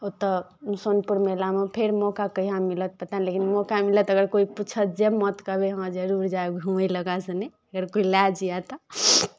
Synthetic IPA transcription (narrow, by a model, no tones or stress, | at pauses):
ot̪əsonpuɾmelamepʰeɾmɔkakəiɦãmilət̪̚pət̪anilekinmɔkamilət̪əɡəɾkoiput͡ʃʰət̪̚d͡ʒemət̪kəbeɦəd͡ʒəɾuɾd͡ʒaɡʱuələɡasənɛ | əɡəɾkoilad͡ʒijat̪ɔ